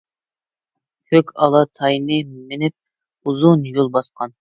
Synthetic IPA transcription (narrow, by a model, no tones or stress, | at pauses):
kʲʰøkʲɑlˠɑt̪ʰɑjnɨmɪnɪp̚ | uzunjolˠbɑsqʰɑn